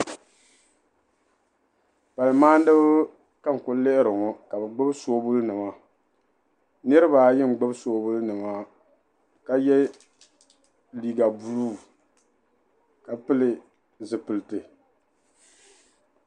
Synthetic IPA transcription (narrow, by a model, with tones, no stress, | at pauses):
pa˨lɨ˨maː˦n˦dɨ˦b | ka˦ŋ˨kʊ˨le˦ʔɪ˦ɾɨ˨ŋɔ˨ka˨bɛ˨ɡ͡bʊ˦bsoː˦bʊ˦lnɨ˨ma˦ | nɨ˦ɾɨ˦ba˨jɪ˦ŋ̩˨ɡ͡bʊ˦bsoː˦bʊ˦lnɨ˨ma˨ | ka˦jɛ˦ | liː˨ɡa˨bu˨luː˦˨ | ka˨pɨ˦lɨ˨ | zɨ˨pɨ˨lɨ˨tɨ˨